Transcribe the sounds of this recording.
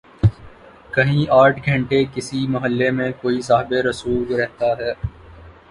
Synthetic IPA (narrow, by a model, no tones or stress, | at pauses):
kɐɦĩaːʈʰɡʱɐ̃ɳʈekɪsimɐɦəlːemẽkoːisaːɦɪbeɾɐsuːllɾɛɦt̪aɦɛː